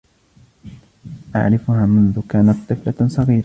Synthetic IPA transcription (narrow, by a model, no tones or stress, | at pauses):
ʔa̰ʕɾɪfʊhaːmʊnðʊkaːnat̪̚t̪ˤːɨflasˤɑɣiːɾa